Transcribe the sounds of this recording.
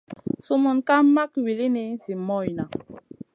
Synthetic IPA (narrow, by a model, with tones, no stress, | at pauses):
su˦mu˨nka˦ma˦kwi˨li˦ni˨˦zi˨mɔ˦˨jna˨